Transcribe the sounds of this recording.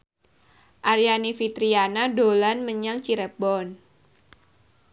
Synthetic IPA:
ʔaɾijanifit̪ɾianadolanməɲaŋt͡ʃiɾəbɔn

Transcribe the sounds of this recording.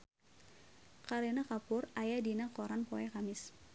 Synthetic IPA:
kaɾenakapʊrajadinakɔɾanpoɛkamɪs

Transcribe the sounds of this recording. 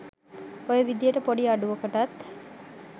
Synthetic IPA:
ojəʋid̪ijəʈəpoɖiaɖuʋəkəʈat̪

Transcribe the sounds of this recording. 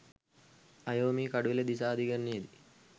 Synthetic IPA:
ajoːmiːkaɖuʋiləd̪is̬aːd̪iɡənnːied̪i

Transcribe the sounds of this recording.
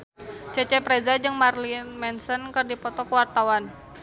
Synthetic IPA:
t͡ʃɛt͡ʃɛpɾɛzad͡ʒɨŋmarlinmɛnsənkɨrdipɔt̪ɔkəwart̪awan

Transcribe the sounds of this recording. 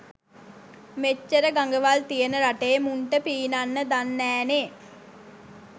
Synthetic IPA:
met͡ʃːəɾəɡaŋɡəʋalt̪ijənəɾaʈeːmuɳʈəpiːnanːəd̪anːæːne

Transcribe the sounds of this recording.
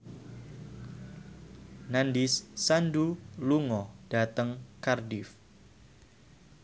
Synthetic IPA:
nandɪsːanduluŋɔd̥at̪əŋkardɪf

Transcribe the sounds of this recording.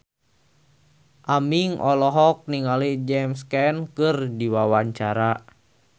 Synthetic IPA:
ʔamiŋʔɔlɔɦɔk̚niŋalid͡ʒɛmskɛnkɨrdiwawaɲt͡ʃaɾa

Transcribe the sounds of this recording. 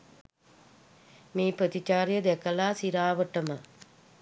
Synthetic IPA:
miːpɾət̪it͡ʃaːɾjəd̪ɛkəlaːsiɾaːʋəʈəmə

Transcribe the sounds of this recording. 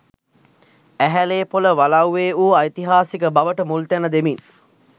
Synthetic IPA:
æɦæleːpoləʋalawːeːuːajt̪iɦaːsikəbaʋəʈəmult̪ænəd̪emin

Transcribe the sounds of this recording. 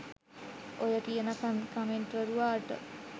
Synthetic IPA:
ojəkijənəkənkəmeɳʈʋəɾuʋaːʈə̰

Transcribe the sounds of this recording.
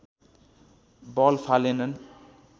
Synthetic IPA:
bɔlpʰalenʌn

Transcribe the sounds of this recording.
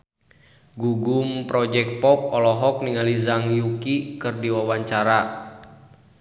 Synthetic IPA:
ɡuɡumpɾɔd͡ʒɛk̚pɔp̚ɔlɔɦɔk̚niŋalizaŋjukikɨrdiwawaɲt͡ʃaɾa

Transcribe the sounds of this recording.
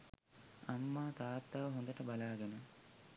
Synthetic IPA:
ɐmːaːt̪aːt̪ːaːʋɐɦond̪ɐʈɐbɐlaːɡenɐ

